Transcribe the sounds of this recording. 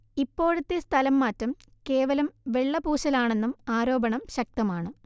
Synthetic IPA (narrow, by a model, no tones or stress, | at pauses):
ipːo̞ːɻut̪ːest̪ʰɐlɐmːaːtːɐm | ke̞ːʋɐlɐmʋe̞ɭːɐbuːɕɐlaːɳe̞nːumaːɾo̞ːbɐɳɐmɕɐk̚t̪ɐmaːɳɨ